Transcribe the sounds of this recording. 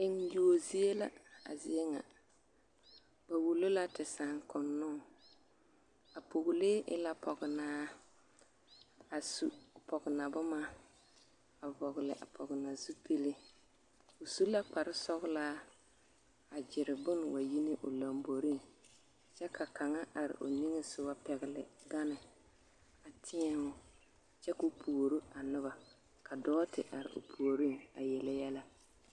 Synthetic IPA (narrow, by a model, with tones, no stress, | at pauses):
ɪ˦ŋju˨o˨zi˦e˦la̰˦a̰˨zɪ˨ɛ˦ŋa̰˨ | ba˨wu˨lo˦la˦tɪ˨sa˨ŋkʊ˨nːʊ˦ | a˨po˨ɣlɪ˦ʔɪ̰˦la˦pʰɔ˨ɡɪ˨naː˦ | a˨sṵ˦˨pɔ˨ɡɪ˨na˨bʊ˦ma˦ | a˨vɔ˨ɣlɪ̰˨ʔa̰˨pʰɔ˨ɣɪ˨na˨zu˦pʰe˦le˦ | ʊ˨su˦la˦k͡pa˨ɾɪ˦sɔ˦ɣlaː˦ | a˨d͡ʒɪ˨ɾɪ˨bʊ˦nwa˨ji˦nɪ˦ʔʊ˨la˨mbo˨ɾi˦ | t͡ʃɛ˦kʰa˨ka˨ŋa˦ʔa˨ɾɪ̰˨ʔo˨ni˦ŋe˦sʊ˦wa˦pɛ˨ɣɪ˨lɪ̰˨ɡa˦nɪ˨ | a˨tʰɪ˦ɛ˦ŋʊ˦ | t͡ʃɛ˦kʊ˦pʰu˨o˨ɾu˦a˨nʊ˦βa˨ | ka˨dɔː˦tɪ˨ʔa˨ɾɪ̰˨ʔʊ̰˨pʰu˨o˨ɾi˦ŋa˨jɛ˨la˦jɛ˦la˦